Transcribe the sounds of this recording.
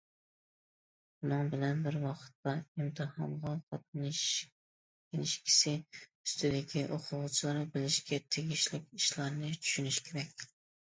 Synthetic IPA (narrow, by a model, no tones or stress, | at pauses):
unɨŋbɪlɛnbɪɾwɑqʰə̥t̪ːɑimt̪ʰɨhɑ̰nʁɑqʰɑt̪̚n | enɪʃkʲʰi̥sɪyst̪ɪd̪ɪkʲiʔoqʰʊwʊt͡ʃʰilˠɑɾɨbɪlɪʃkʲɛt̪ʰeɡʲiʃlɪkʲiʃlˠɑɾnɨt͡ʃʰy̥ʃynyʃkʲʰeɾɛkʲ